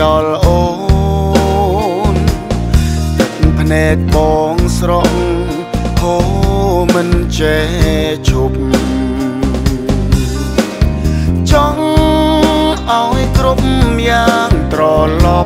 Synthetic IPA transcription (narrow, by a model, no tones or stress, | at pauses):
ɑlʔoː | n | t͡ɕək̚ŋpʰnɛɛk̚ɓɔːŋsrɔʔ | ho | mɨnt͡ɕe | t͡ɕʰup̚m | t͡ɕɑŋ | ʔaɔjkɾup̚mjaːŋt̪ɾɑːlɑ